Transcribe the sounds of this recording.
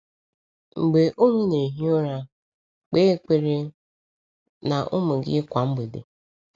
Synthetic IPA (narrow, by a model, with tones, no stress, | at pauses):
ŋ͡m̩˨ɡ͡be˨ʔo˦ŋʷu˦ne˨ɦi˦o˦ɾa˦ | k͡pe˦e˦k͡pe˦ɾe˦ | na˨ʔʊ˦mʊ˨ɡɪ̰˦kʷa˨m̩˦be˨dḛ˨